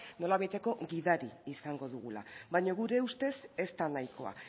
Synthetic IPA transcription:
no̞laβejt̪e̞ko̞ɣiðaɾiisaŋɡo̞ðuɣ̞ula̰βajɲoɣuɾe̞ust̪e̞se̞st̪anajko̞̰a̰

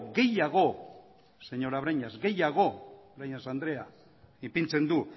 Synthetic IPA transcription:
ɡe̞jaɣ̞o̞ | se̞ɲo̞ɾaβ̞ɾaɲazɡe̞jaɣ̞o̞βɾajɲasand̪ɾe̞a | ipint͡se̞nd̪u

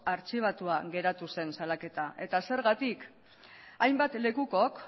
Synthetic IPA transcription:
aɾt͡ʃiβ̞at̪uaɣe̞ɾat̪use̞nsalake̞t̪ae̞t̪ase̞ɾɣat̪ik | ajmbat̪le̞kuko̞k

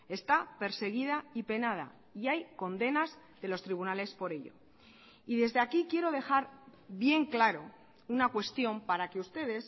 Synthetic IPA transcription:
e̞st̪ape̞ɾse̞ɣ̞iðaipe̞naða̰ | iajko̞nd̪e̞naz | ðe̞lo̞st̪ɾiβ̞unale̞spo̞ɾe̞ʎo̞̰ | iðe̞zðe̞akikje̞ɾo̞ð̞e̞xaɾbje̞ŋklaɾo̞ | unakwe̞st̪jo̞mpaɾake̞ust̪e̞ðe̞s

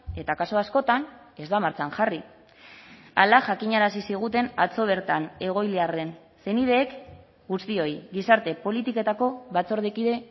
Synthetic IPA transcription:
e̞t̪akasoasko̞t̪an | e̞zd̪amaɾt͡saŋʝari | a̰laʝakiɲaɾasisiɣ̞ut̪e̞nat͡so̞β̞e̞ɾt̪ane̞ɣ̞o̞jliare̞n | se̞nið̞e̞ːk | ɡust̪io̞jɣisaɾt̪e̞po̞lit̪ike̞t̪ako̞βat͡so̞ɾð̞ekiðe̞

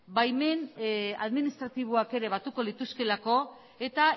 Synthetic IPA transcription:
bajme̞na̰ðminist̪ɾat̪iβ̞oake̞ɾe̞βat̪uko̞lit̪uske̞lako̞ | e̞t̪a

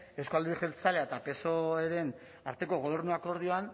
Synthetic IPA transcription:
e̞wskuald̪iɾexelt͡saleaet̪ape̞soeɾe̞n | aɾt̪e̞ko̞ɣo̞β̞e̞ɾnuako̞ɾð̞io̞an

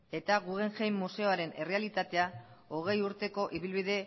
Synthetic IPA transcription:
e̞t̪aɣuɣe̞ŋʝejmːuse̞o̞aɾe̞ne̞re̞alit̪at̪e̞ao̞ɣ̞e̞juɾt̪e̞ko̞ʔiβilβiðe̞

